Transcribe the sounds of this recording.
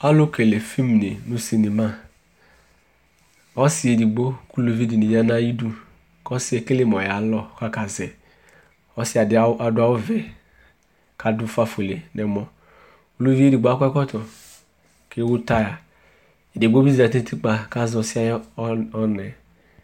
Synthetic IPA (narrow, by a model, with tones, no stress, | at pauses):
a˦lo˦ke˨le˨fi˦m˨ne˨nu˦si˨ni˨ma˦ | ɔ˦si˨˦e˨di˨ɡ͡bo˦ku˦lo˨vi˦di˨ni˨ja˦na˦i˦du˦ | kɔ˦si˦e˨ke˦le˦mɔ˨ja˨lɔ˦˨ka˦ka˨zɛ˨ | ɔ˦si˦a˨da˨du˦a˦u˦vɛ˨ | ka˨du˦fa˦fo˨le˨nʔɛ˨mɔ˨ | ku˨lo˦vi˦e˦di˨ɡ͡bo˨˦a˦kʷkɔ˦tɔ˨ | ke˦wu˦ta˦ja˨ | e˨di˨ɡ͡bo˦bi˦zi˨a˨te˦tʰi˦k͡pa˨ka˦zɔ˨si˦a˦ɔ˦nɛ˨